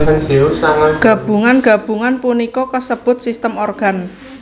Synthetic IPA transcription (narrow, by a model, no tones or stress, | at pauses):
əŋd͡ʒ̥eosaŋaɡ̥a̤b̥ṳŋanɡ̥ä̤b̥ṳŋanpunikɔkəsəb̥ʊ̤t̪̚sist̪əmorɡ̥a̤n